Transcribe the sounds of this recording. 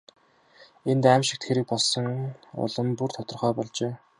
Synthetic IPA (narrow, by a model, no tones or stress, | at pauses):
ent̪æːmʃɪ̥̆k̚t̪ʰxeɾɘ̆k̚pɔɮsɞ̆ŋʊ̰ɮə̆mpur̥t̪ʰɔt̪ɞ̆rχœːpɔɮt͡ɕeː